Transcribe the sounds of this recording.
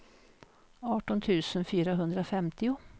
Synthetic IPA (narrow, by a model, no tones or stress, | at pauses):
ɑːʈɔnt̪ʰʉ̟ːsənfyːɾaɦɵnd̪ɾəɔfɛmt̪ɪʊ